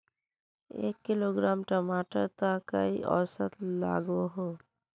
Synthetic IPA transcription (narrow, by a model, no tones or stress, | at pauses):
ḛːkːɪloːɡɾaːmʈəmaːʈəɾt̪akə̰iʔɔ̰ːsət̪la̰ːɡoɦoː